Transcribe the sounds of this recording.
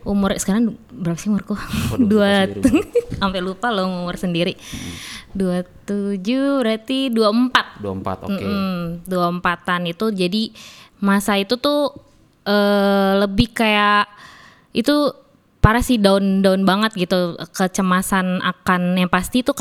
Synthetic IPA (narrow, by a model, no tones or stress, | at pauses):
umʊrsə̥kaɾaŋbəɾapasiumʊrkuduauampɛlupaloŋumʊrsəndiɾi | duat̪ud͡ʒubəɾat̪iduaəmpat̪̚da̰t̪m̩m̩duaəmpat̪anit̪ud͡ʒadimasait̪ut̪ʊ | əːləbɪhkajaʔ | it̪u | paɾasidaʊndaʊnbaŋət̪̚ɡit̪ukət͡ʃəmasana̰kanjaŋpast̪it̪u